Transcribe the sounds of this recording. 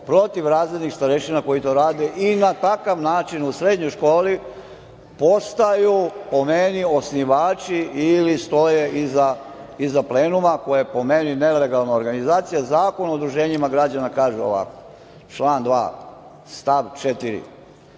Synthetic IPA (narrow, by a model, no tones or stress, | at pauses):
pɾo̞t̪iʋɾaːzled̪nixst̪aɾeʃinako̞jit̪o̞ːɾaːd̪eʔinat̪akaʋnaːt͡ʃinusɾe̞d̪ɲo̞jʃko̞ːli | po̞st̪ajupo̞menio̞sniʋaːt͡ʃiilist̪o̞je̞ʔiza | izapleːnumako̞jajepo̞me̞nine̞le̞ɡalˠnaoɾɡanizaːt̪sijazaːko̞nud̪ɾuʒe̞ːɲimaɡɾad͡ʑanakaːʒuo̰ʋa̰ko̥ | t͡ʃlˠaːnd̪ʋa̰ː | st̪aʋt͡ʃet̪iɾḭ